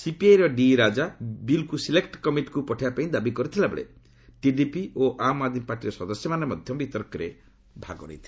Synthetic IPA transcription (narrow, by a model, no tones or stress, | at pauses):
sipiajɾɔɖiɾad͡ʒabilkusilekʈkɔmiʈkupɔʈʰibapaĩd̪abikɔɾit̪ʰilabḛɭḛ | ʈiɖipioʔamad̪mipaɾʈiɾɔsɔd̪ɔsjɔmanemɔd̪ʱjɔmbit̪ɔɾkɔɾe | bʱa̰ɡɔ̰ɾɔ̰it̪ʰie